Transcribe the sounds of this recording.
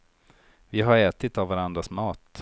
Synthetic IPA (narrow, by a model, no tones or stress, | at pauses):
vɪɦaɾɛːt̪ɪt̪avvaɾand̪ɾasmɑːt̪